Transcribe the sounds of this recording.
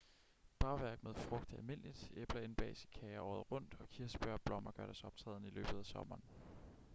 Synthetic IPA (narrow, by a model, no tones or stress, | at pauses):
b̥ɑ̈ʊʋæɐɡ̥̚með̞ˠfʁɔ̽ɡ̥̚d̥ælme̝n̰lid̥eb̥lɐe̝nb̥ɛ̰ːsi̥kʰɛɪɐʔɒ̰ːð̩ˠʁɔ̽n̰d̥ɒ̽kʰiɐsb̥ɶɐ̰b̥lɒ̽m̰ɐɡ̥ɶɐ̰ɾ̥æsɒ̽b̥̚t͡sʰʁɛ̰ːðˠnəilø̰ːb̥ð̞̩ˠæsɒ̽mɐːn